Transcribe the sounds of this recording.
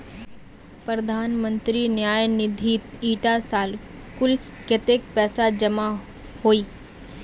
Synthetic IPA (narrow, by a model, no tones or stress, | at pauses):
pɾɐd̪ʱaːnmə̃nt̪ɾinjaːjnɪd̪ʱiːt̪iːʈasaːl | kʊlket̪ek̚pɛːsad͡ʒɐma | hoːiː